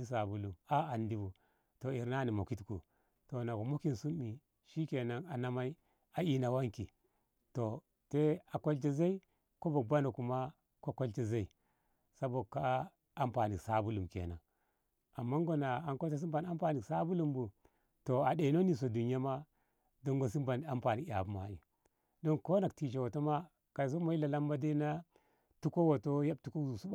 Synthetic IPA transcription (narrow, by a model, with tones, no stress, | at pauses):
i˦s̬a˨bu˦lu˨ma˦a˨ndi˦bu˨ | to˨i˨ɾna˦ni˨mo˨ki˦tkṵ˨ | to˨na˨ko˨mo˦ki˨nsu˦mːi˨ | ʃi˦ke˨na˦ŋa˨na˦ma˦i˦ | a˨i˦na˨wa˦ŋki˨ | to˨ | te˦a˨ko˦lt͡ʃe˦za˦i˦ | ko˦bo˨ba˦no˨ku˨ma˦ | ko˦ko˦lt͡ʃe˦za˦i˨ | sa˦bo˨ka˦ | a˦mpa˨ni˨sa˦bu˦lu˨mkḛ˨na̰˨ | a˨mːa˦ŋɡo˨na˨a˨ŋko˦t͡ʃe˦s̬i˦mba˨na˦mpa˨ni˨sa˦bu˦lu˦mbu˨ | to˨a˨de˨no˦ni˨s̬o˨du˨n˦a˦ma˦ | do˦ŋɡo˨s̬i˦mba˨n˨a˦mpa˨ni˨ka̰˨bu˦ma̰˨ḭ˨ | do˦nko˦na˨k̚ti˨t͡ʃe˨wo˨to˦ma˦ | ka˨s̬o˦ma˦i˦la˨la˦mba˦de˦na˦ | tu˦ko˦wo˨to˦ja˦b̚tu˦ko˦˨zu˨su˦˨